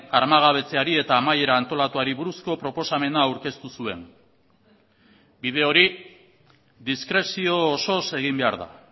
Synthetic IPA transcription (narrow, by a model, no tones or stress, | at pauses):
aɾmaɣ̞aβ̞e̞t͡se̞aɾie̞t̪aːmaje̞ɾaːnt̪o̞lat̪uaɾiβuɾusko̞pɾo̞po̞same̞naːwɾke̞st̪usue̞̰n | bið̞e̞o̞ɾi | ðiskɾe̞sio̞ːso̞se̞ɣ̞imbe̞aɾða̰